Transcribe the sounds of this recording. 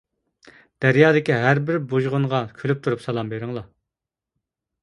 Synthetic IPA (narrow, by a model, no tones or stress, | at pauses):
d̪̥æɾjɑːd̪ɪkʲiɦæɾbɪɾbuʒʁʊɴʁɑkʲʰylyp̚t̪ʰuɾupsɑlˠɑmbeɾɪŋlˠɑ